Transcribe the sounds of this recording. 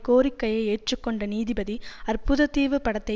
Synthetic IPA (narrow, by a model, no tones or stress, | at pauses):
koːɾɪkːɐjɐɪeːʈʈrɯkːɔɳɖɐniːðɪbɐðiɐrpʊðɐt̪iːʋɯpːɐɽɐt̪ːɐ